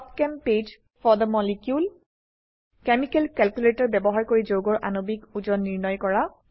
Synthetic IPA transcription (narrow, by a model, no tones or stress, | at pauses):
tkɛmped͡ʒ | fɔɹd̪əmɔlikjul | kɛmikɛlkɛlkjuletɔɹbɛbɔɦaɹkoɹid͡ʒoɡɔɹʔa̰nobikud͡ʒɔnːiɹnɔjkɔɹa